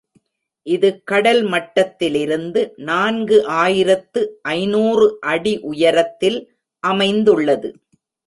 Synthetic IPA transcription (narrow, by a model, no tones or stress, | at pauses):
ʔɪðɯkɐɽɐlmɐʈːɐt̪ːɪlɪɾɯnd̪ɯnaːnɡɯʔaːjɪɾɐt̪ːɯʔɐɪnuːrɯʔɐɽiʔʊjɐɾɐt̪ːɪl | ʔɐmɐɪnd̪ɯɭːɐðɯ